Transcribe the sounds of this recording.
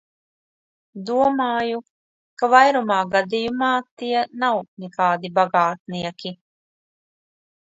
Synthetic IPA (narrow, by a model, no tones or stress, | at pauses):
d̪uɔmɑːju | kavajɾumaːɡad̪ijumɑːt̪iɛnawnɛkaːd̪ibaɡaːt̪̚niɛkʲi